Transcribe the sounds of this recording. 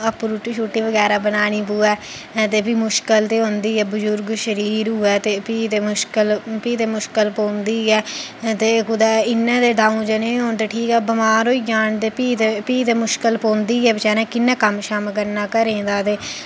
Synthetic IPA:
əpːɾuːʈiːʃuːʈːiːʋəɡɛːɾaːbənaːɽ̃iːpuːɛː | t̪eːbiːmʊʃkəlt̪eːɦõːnd̪iːɛːbʊzʊɾɡʃəɾiːɾɦʊɛːt̪eːpiːt̪eːmʊʃkəlpiːt̪eːmʊʃkəlpõːnd̪iːɛːt̪eːkʊd̪aːɪnːɛ̃ːd̪eːɖaːũːd͡ʒenẽːɦoːnt̪eːʈʰiːkɛːbəmaːɾoːiːd͡ʒaːnt̪eːpiːt̪epiːt̪eːmʊʃkəlpõːnd̪iːɛːbɪt͡ʃɛːɾɛ̃ːkɪnːãːkəmʃamk̬əɾnaːkəɾẽːd̪aːt̪eː

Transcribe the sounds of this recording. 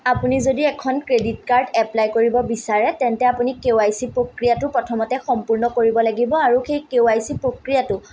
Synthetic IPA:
apunizodiɛkʰɔnkɹedit̚kaɹdɛplajkoɹibɔbisaɹɛtɛntɛapunikewajsipɹokɹijatʊpɹɔtʰɔmɔtɛxɔmpuɹnɔkoɹibɔlaɡibɔaɹuxejkewajsipɹokɹijatʊ

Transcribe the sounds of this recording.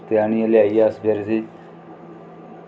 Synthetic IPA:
t̪ejaːniːɐlaːijaːsbeɾzi

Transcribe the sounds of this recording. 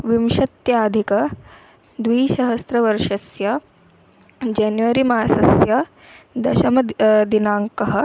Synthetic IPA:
ʋimʃɐt̪jaːd̪ʱikɐ | d̪ʋiːʃɐɦɐst̪ɾɐʋɐɾʂɐsjɐ | d͡ʒaːnjʋɐɾimaːsɐsjɐ | d̪ɐʃɐmɐd̪inaːŋkɐɦɐ̆

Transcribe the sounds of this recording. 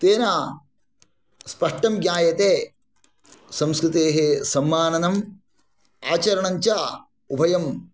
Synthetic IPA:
t̪eːnaː | spɐʂʈɐmɡjaːjɐt̪eː | sɐmskɾɪt̪eːɦesɐmːaːnɐnɐm | aːt͡ʃɐɾɐɳɐɲt͡ʃa | ubʱɐjɐm

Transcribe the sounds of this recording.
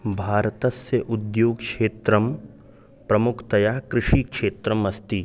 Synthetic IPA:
bʱaːɾt̪ɐsjəʔʊd̪joːɡkʃeːt̪ɾəm | pɾɐmʊkʰt̪ɐjakɾɪʃiːkʃeːt̪ɾəmɐst̪i

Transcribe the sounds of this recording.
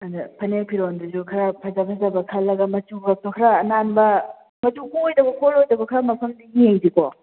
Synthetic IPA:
ɐndapʰɐnepʰiɾonduzukʰɐɾapʰazapʰɐzabɐkʰalːɐɡɐmɐt͡ʃuɡak̚tɔkʰaɾaːnanbɐ | mɐtuojdɐɡɔkʰolojdɐkɔkʰɾamɐpʰɐmdiɡijeŋzikɔ

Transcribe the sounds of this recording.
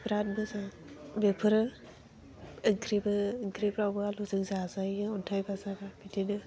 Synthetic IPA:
bɾat̚bɯza | bepʰɯɾɯ | ŋkʰɾibɯːŋkʰɾibɾawbɯaluzɯŋzazajɯɔntʰajbazaɡabidinɯ

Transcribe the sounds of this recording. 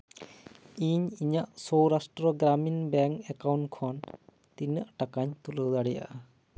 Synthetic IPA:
iɲiɲaʔsɔwɾasʈɾɔɡɾaminbɛŋkɛkawɳʈkʰɔn | t̪iɲəʔʈakaɲt̪uləwd̪aɽɛja̰ʔa

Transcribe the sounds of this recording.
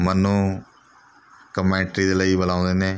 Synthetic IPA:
mənːũː | kəmɛ̃ːʈɾiːd̪eːləiːbəlãːʊ̃nd̪eːnẽː

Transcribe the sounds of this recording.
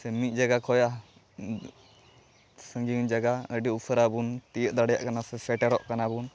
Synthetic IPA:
sɛmit̪̚ˀd͡ʒaɡakʰɔja | sə̃ŋɡiŋd͡ʒaɡaəɖiupʰəɾabunt̪ijəʔ̚d̪aɽɛja̰ʔkanasɛpʰɛʈɛɾɔʔkanabun

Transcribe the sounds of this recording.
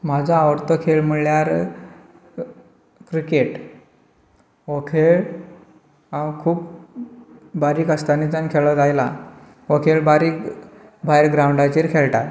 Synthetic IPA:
mad͡zʱaːʋəɾt̪ɔkʰeɭmuɭjaɾ | kɾikeʈ | okʰeɭ | akʰuːp | baɾiːkəst̪anit͡sankʰeɭɔd͡zajla | okʰeɭbaɾiːkbʱajɾɡɾawɳɖat͡ɕiːɾkʰeɭʈaɾ

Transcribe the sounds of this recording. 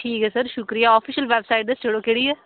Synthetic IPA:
ʈʰiːkɛːsəɾʃʊkɾijaːɔːfʰiːʃəlʋɛːbsaːɪʈ̚d̪əst͡ʃeɽoːkeːɽiːɛː

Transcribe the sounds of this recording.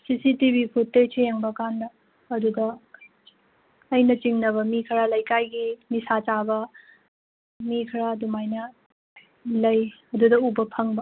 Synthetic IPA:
sisitibipʰutːet͡ʃʰejeŋbɐkandɐː | dudɐ | jnɐt͡ʃiŋnɐβɐmikʰɐɾalɐjkajɡinisat͡ʃabɐ | mikʰɐɾadumajnɐ | lɐjɐdudɐubɐpʰɐŋbɐ

